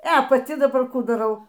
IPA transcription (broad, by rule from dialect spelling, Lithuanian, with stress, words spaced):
ɛ pɐˈtʲɪ dɐˈbɐr ˈkuː dɐˈrɐʊ